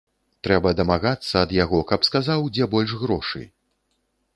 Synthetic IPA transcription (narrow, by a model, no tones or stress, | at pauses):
t̪ɾɛbɐd̪ɐmaɣat̪sːɐːd̪jaɣɔkɐpskazawd͡zʲɛbɔlʲʂɣɾɔʂɨ̰